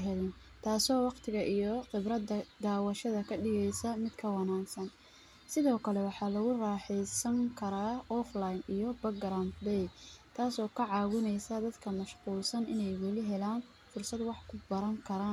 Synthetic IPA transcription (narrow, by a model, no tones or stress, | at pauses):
ɦɛlɛn | t̪ʰaːsɔːwɑqt̪ʰɪɣɐʔijɔqɪbɾɐdɐd̪aːwɐʃɐðɐkʰɐɖɪɣɛjsɐmɪd̪kʰɐwɑnaːksɐn | sɪðɔːkʰɐlɛwɑħɑːlɐɣʊrɑːħɛjsɐŋkʰɐɾaːɔflajnijɔbɐɡɾanbɛjt̪ʰaːsɔːkʰɐʕɑːwʊnɛjsɐd̪ɐd̪kʰɐmɐʃquːlsɐnɪ̰nɛjwɛlɪɦɛlaːn | fʊrsɐd̪wɑħkʰʊbɐɾɐŋkʰɐɾaːn